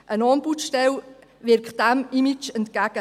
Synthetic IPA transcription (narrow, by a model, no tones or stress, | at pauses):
ʔənɑnbutʃtɛl | vɪɾk̚d̥æmimɪt͡ʃɛntkæɡ̥ə